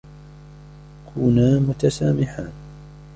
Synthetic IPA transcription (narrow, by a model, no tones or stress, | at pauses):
kʰuːnaːmʊt̪asaːmɪħaːn